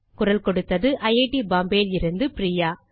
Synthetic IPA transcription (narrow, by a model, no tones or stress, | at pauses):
kʊrɐlkɔɽɯt̪ːɐðɯʔɐɪeːʈibaːmbeːlɪɾɯnd̪ɯpɾiːjaː